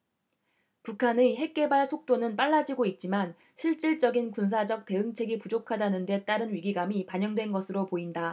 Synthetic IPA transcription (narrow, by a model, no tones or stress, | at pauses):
pukʰaniɦe̞k̚k͈e̞baɭsʰok̚t͈onɯnp͈aɭːad͡ʑiɡoit̚t͡ɕ͈iman | ɕʰiɭt͡ɕ͈iɭt͡ɕ͈ʌɡinkuns̬ʰad͡ʑʌk̚t͈e̞ɯŋt͡ɕʰe̞ɡipud͡ʑokʰadanɯnde̞t͈aɾɯnɥiɡiɡamipaɲʌŋdwe̞nɡʌsʰɯɾopoinda